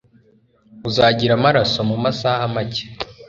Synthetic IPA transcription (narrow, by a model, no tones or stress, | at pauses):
uzaːɟiɾamaɾasomumasaːhamace̥